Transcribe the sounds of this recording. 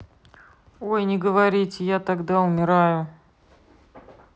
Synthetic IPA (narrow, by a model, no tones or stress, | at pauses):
ojnʲɪɡəvɐɾʲitʲɪjat̪ɐɡd̪aʊmʲɪɾajʊ